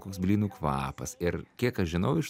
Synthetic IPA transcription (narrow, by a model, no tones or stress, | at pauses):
koːksbʲlʲiːnukʋɑ̰ːpɐsɪɾkʲiɛkɐʃʒʲɪnɐʊɪʃ